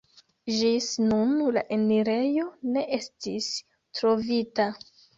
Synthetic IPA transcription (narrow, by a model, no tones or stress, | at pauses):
ʒisnunla̰ʔeniɾe̞jo̞ne̞ʔestis | tɾo̞vita